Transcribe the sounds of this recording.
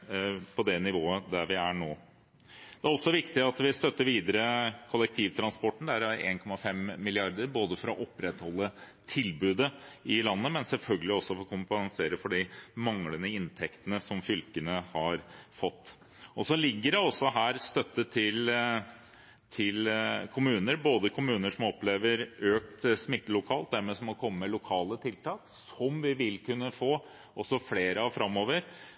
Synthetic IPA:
pʰɔd̪ɛnɪʋoːəd̪æɾʋɪæɳoː | d̪̥ɛæɾɔsːɔʋɪkt̪ɪɑt̪ʋɪst̪œt̪ːəɾʋiːd̪əɾəkʰɔlːɛk̚t̪ʰiːʋt̪ʰɾɑnspɔʈːɳ̩d̪æɾæɾḛːnkʰɔmːɑfɛmːɪlɪɑɾd̪əɾboːd̪əfɔɾɑʔɔpːɾɛt̪hɔlːə | t̪ʰɪlbʉːd̪əɪlɑnːəmɛnsɛlfœlɡəlɪɔsːɔfɔkʰʊmpɛnseːɾəfɔɖɪmɑŋlənəɪnt̪ʰɛkt̪ənəsɔmfʏlkənəhɑɾfɔt̪ː | ɔsɔlɪɡːəɖɛɔsɔɦæːɾst̪œt̪ːət̪ʰɪl | t̪ʰɪlkʰʊmʉːnəɾboːd̪əkʰʊmʉːnəʂɔmɔpleːʋəɾøːkt̪smɪt̪ːəlʊkʰɑːlt̪̚d̪æɾmeːsɔmɔkʰɔmːəmɛlʊkʰɑːlət̪ʰɪlt̪ɑːksɔmʋɪʋɪlkʉnːəfoː | ʔɔsːɔfleːɾəɑʋfɾɑmːoːʋəɾ

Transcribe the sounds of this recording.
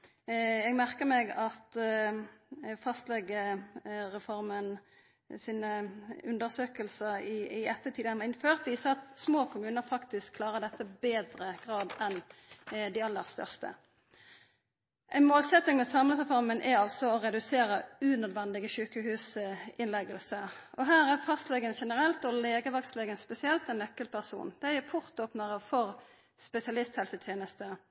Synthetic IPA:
ɛɡmæʁkəʁmɛɡɑt̪ | fɑst̪lɛɡə | ʁɛfɔʁmən | siːnəʉnd̪əʁsøːkəlsəʁɪɪɛt̪ːət̪ʰiːd̪ənʋɑʁɪnføːʁt̪ʋiːsɑɑt̪smoːkʰʊmʉːnəʁfɑkt̪ɪskʰlɑːʁəd̪ɛt̪ːəbeːd̪ɾəɡ̥ʁɑːd̪ɛnd̪ɪɑlːəʁst̪œ̰ʁst̪ə̰ | ʔæɪnmoːlsɛt̪nɪŋmɛːsɑmləsəfɔʁmənʔæɑlsɔɔʁɛd̪ʉseːɾəʉːnœd̪ʋɛnd̪ɪɡəʃʉːkəhʉːsɪnlɛɡəlsəɔɦæːʁæʁfɑst̪lɛɡənʃɛnəʁɛlt̪ɔleːɡəʋɑkst̪lɛɡənspɛsɪɛlt̪ɛnːœkːəlpʰæʁsṵːnd̪̥ɛæpʰʊʁt̪oːpnəʁəfɔʁ | spɛsɪɑlɪst̪hɛlsət̪ʰjeːnəst̪ə

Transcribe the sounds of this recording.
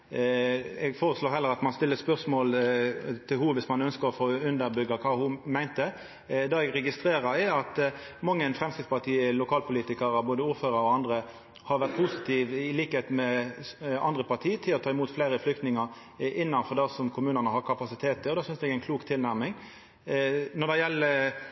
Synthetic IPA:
ɛɡfoːʁəsloːɾɦɛləɾɑt̪mɑnst̪ɪlːəspœʁsmoːlt̪ʰɪlhuːʋɪsmɑnœnskəɾɔfoːʉnd̪əɾbʏɡːɑkʰɑːhʊmæɪnt̪ə | d̪ɑːɛɡɾɛɡɪst̪ɾeːɾəɾɛɑt̪ | mɑŋːənfʁɛmskɪt̪spɑʁt̪ʰiːəlʊkʰɑːlpʰʊliːt̪ɪkɑɾəboːd̪əuːɾføːɾəɾɔɑnd̪ɾə | hɑɾʋæʁt̪̚pʰusɪt̪ʰiːʋɪliːkəheːt̪mɛ | ɑ̰nd̪ʁəpɑt̪ʰiːt̪ʰɪlɔt̪ʰɑːɪmuːt̪fleɪɾəflʏkt̪nɪŋɑɾ | ʔɪnːɑnfɔʁd̪ɑsɔmkʰʊmʉːnənəhɑʁkʰɑpɑsɪt̪ʰeːt̪ʰːəɔd̪ɑːsʏnsd̪ɛɡæɪnkʰluːkt̪ʰɪlnæʁmɪŋ | nɔʁd̪ɛjɛlːə

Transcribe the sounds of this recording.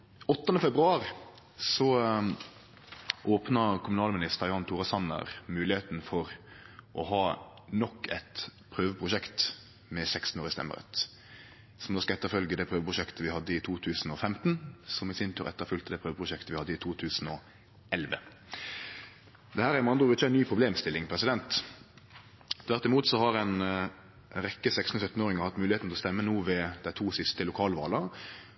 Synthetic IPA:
ɔt̪ːənəfɛbʁʉɑːɾɪ | sɔ | ʔoːpnɑkʰʊmʉnɑːlmɪnɪst̪əʁjʊɑnt̪ʰuːʁɑsɑnə̰ʁmʉːlɪheːt̪nfɔʁʔɔɦɑː | nɔkːɛt̪pʰɾøːʋəpʰʁʊʃɛkt̪ | mɛsɛkst̪n̩oːʁɾɪst̪ɛ̰mːə̰ʁə̰t̪ | sɔmd̪oːskɑɛt̪ːəɾfœlɡəd̪ɛpʰʁøːʋəpʰʁʊʃɛkt̪əʋɪhɑd̪ːəɪt̪ʰuːt̪ʰʉːsn̩ɔfɛmt̪n̩sɔmɪsɪnt̪ʰyːʁʔɛ̰t̪ːəʁfʉlt̪əd̪ɛpʰʁøːʋəpʰʁʊʃɛkt̪əʋɪhɑd̪ːəɪt̪ʰuːt̪ʰʉːsn̩ɔ | ɛlʋə̰ | d̪ɛhæːʁæmɑnd̪ʁʊʋɪt͡ʃːænyːpʰʁʊbleːmst̪ɪlːɪŋpʰʁɛsɪd̪ɛnt̪ | t̪ʰʋæʁt̪ɪmuːt̪sɔhɑʁɛɪn | ʁɛkːəsɛksn̩əsœt̪ːn̩oːʁɪŋəʁhɑt̪ːmʉːlɪeːt̪n̩lɔst̪ɛmːənuːʋɛd̪̥æɪt̪ʰuːsɪst̪əlʊkʰɑːlʋɑ̰ːlə

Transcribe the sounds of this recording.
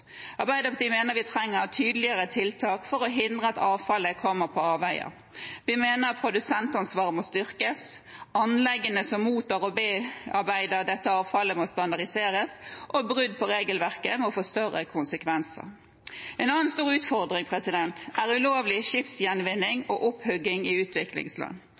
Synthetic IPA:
ʔɑʁbæɪd̪əpʰd̪iːmeːnəɾʋɪt̪ʰʁɛŋːəɾt̪ʰyːd̪əlɪəɾət̪ʰɪlt̪ʰɑːkfɔɾɔɦɪnd̪ʁəɑt̪ɑːʋfɑləkʰɔmːəʁpʰɔɑːbæɪə̰ | ʋɪmeːnəʁpʰʁʊd̪ʉsɛnt̪ɑnsʋɑːʁəmɔst̪ʏʁkəsɑnlɛɡːənəsɔmːuːt̪ɑːʁɔbeːɑʁbæɪd̪əʁd̪ɛt̪ːəɑːʋfɑləmɔst̪ɑnd̪ɑʁɪseːʁəsʔɔbʁʉd̪̚pʰɔɾʁeːɡəlʋæʁkəmɛɔɔfoːst̪œrə̰kʰʊnsəkʰʋɛnsə̰ʁ | ɛnɑːənst̪uːɾʉːt̪fɔʁd̪ʁɪŋpʰʁɛsɪd̪ɛnt̪æʁʉloːʋlɪʃɪpsjɛnʋɪnːɪŋɔʔʊphʉɡɪŋɪʉːt̪ʰʋɪklɪ̰ŋslɑ̰n

